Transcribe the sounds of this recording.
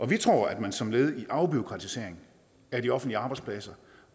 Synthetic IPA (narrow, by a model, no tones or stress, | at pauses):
ʔɒ̽ʋit͡sʰʁo̝̰ɐ̰æd̥mænsɒ̽mle̝ːð̞̩ˠiʔɑ̈ʊb̥io̝kʰʁɑ̈t͡sʰise̝ɐ̰eŋ̩ | æɐdiɒ̽fn̩d̥liəɑ̈ːb̥ɑ̈ɪdspʰlɛsɐ